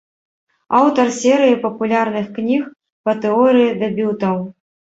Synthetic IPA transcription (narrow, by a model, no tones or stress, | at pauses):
awt̪ɐrsʲɛɾɨjipɐpulʲarnɨxknʲix | pɐt̪ɛɔɾɨjid̪ɛbʲut̪ɐw